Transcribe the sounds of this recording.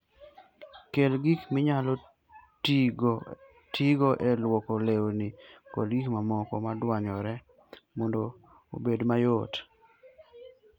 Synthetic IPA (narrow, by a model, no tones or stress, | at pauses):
kelɡikmɪɲalɔ | ɡ | tʰiɡoʔɛlwɔkolewnikɔ̰lɡikmamɔkɔmadwaɲɔɾɛ | mɔndo | obedmajot